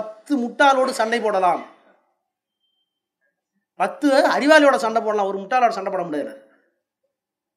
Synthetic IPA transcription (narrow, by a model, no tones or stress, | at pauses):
pɐt̪ːɯmʊʈːaːloːɽɯsɐɳɖɐɪpːoːɽɐlaːm | pɐt̪ːɯɐɾɪʋaːlɪjoːɽɐsɐɳɖɐpːoːɽɐlaːmɔɾɯmʊʈːaːloːɽɐsɐɳɖɐpɐːɽɐmʊɽɐðɐnɐ̰ɾ